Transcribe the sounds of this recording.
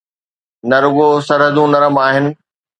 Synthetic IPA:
nɐɾʊɠosɐɾɦəd̪ũnɐɾəmaːɦɪnɪ̆

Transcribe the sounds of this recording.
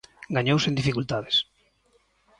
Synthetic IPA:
ɡaɲowsẽnd̪ifikult̪aðes

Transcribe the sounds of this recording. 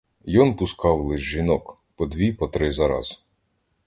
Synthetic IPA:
jɔnpʊskɑwlˠɪʒʒinɔk | pɔd̪ʲʋʲipɔt̪ɾɪzɐɾɑ̰z̥

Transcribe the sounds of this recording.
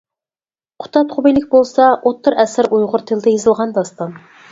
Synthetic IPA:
qʰʊ̥t̪ʰɑt̪χʰʊbejlɪkʲbolˠsɑʔot̪ʰːʊɾɛsɪɾujʁʊɾt̪ʰɪld̪ɛjezɨlˠʁɑnd̪ɑst̪ɑn

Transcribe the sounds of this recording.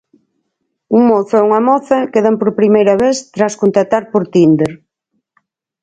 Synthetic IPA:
uŋmoθʊɛuŋɐmɔθɐkeðampoɾpɾimejɾɐβeθt̪ɾaskont̪at̪aɾpoɾt̪ind̪eɾ

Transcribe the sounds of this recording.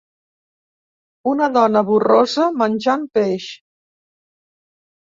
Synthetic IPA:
unəðɔnəβurozəmənʲʒampeʃ

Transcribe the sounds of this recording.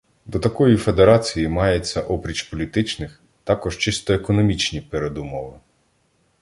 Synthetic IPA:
d̪ɔt̪ɐkɔjife̞d̪eɾɑt͡sʲijimɑjet͡sʲːɐʔɔpɾʲit͡ʃpɔlʲit̪ɪt͡ʃnɪx | t̪ɑkɔʒt͡ʃɪst̪ɔekɔnɔmʲit͡ʃnʲipeɾed̪ʊmɔʋɪ

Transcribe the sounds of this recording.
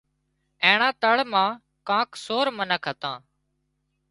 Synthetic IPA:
ẽːɳãːt̪əɭmãː | kãːksoːɾmənəkʰɦət̪ãː

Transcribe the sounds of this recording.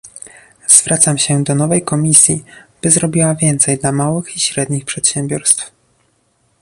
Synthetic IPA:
z̥vɾʔat̪samɕɛd̪ɔnɔvɛjkɔmʲisʲjib̥ɘzɾɔbʲiwavʲjɛnt̪sɛjd̪lamawɘxiɕɾɛd̪ɲixpʂɛt̪ɕɛmbʲɔɾst̪f

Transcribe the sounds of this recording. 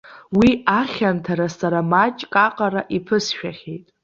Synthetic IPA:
wiaχʲamtʰaɾasaɾamat͡ʃʼkʼaqʼaɾaʔipʰɨsʃᶣaχʲejtʼ

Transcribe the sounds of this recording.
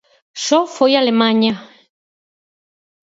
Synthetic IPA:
ʃɔfɔjalɛmaɲa

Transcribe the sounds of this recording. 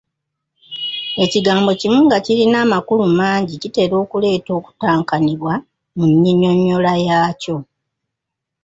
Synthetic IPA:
e̞ciɡaːmbo̞cimuŋɡacilinaːmakulumaːɲɟicite̞ːɾo̞ːkule̞ːto̞ːku̥taːŋkaniβwa | muɲːiɲo̞ɲːolajaːco̞

